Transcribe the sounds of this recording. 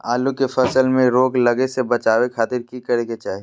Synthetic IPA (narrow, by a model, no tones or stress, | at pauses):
aːlukefɐsəlmẽɾoːɡlɐɡesebɐt͡ʃaːʋekʰaːt̪ɪɾkikɐɾeket͡ʃaːɦi